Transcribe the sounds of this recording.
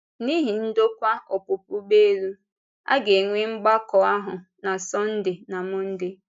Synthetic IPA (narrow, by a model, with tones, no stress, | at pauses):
ni˦ɦi˨n̩˦do˦kʷa˦o˨pʊ˨pʊ˦be˦lu˦ | a̰˦ɡe˨ŋʷe˦ŋ͡m̩˦ɡ͡ba˦kɔ˨a˦ɦʊ˨ | na˨sɔ˦n̩˦dɪ˨na˨mʊ˦n̩˦dɪ˦